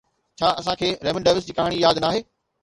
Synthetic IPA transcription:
t͡ɕʰaːɐsãkʰeːɾɛːʋə̃nɖeːʋɪs̬d͡ʑɪkaːɦɽ̃ijaːd̪naːɦeː

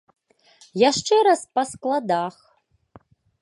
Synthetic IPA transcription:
jaʂʈ͡ʂʰʼeɾaspʼaskʼladaːx

